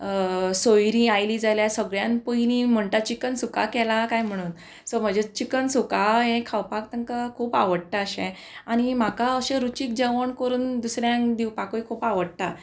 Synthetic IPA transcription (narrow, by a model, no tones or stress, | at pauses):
sojɾĩajliːd͡zaljasəɡɭjãnpəjniːm̤əɳʈ̪at͡ɕikənsuka̰kɛlakajm̤əɽ̃uːn | sɔm̤əd͡ʑet͡ɕikənsukaɦẽkʰawpak̚t̪əŋkakʰuːpa̰ʋəɽʈ̪aəɕẽ | aɽ̃im̤akaəɕẽɾut͡ɕiːk̚d͡ʑəʋəɳkəɾuːnd̪usɾjãŋd̪iwpakoikʰuːpaʋəɽt̪a